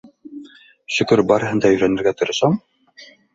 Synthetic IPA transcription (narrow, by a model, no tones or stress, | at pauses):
ʃɵ̆kɵɾbɑɾɤ̆ɦɤ̆nd̪ɑjɵ̆jɾænɘ̆ɾɡæt̪ŏɾɤ̆ʃɑm